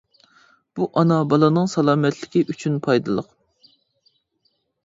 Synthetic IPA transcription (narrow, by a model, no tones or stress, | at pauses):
b̥uʔɑnɑbɑlˠɑnɨŋsɑlˠɑːmɛt̪lɪkʲiʔyt͡ʃʰynpʰɑjd̪ɨlˠəq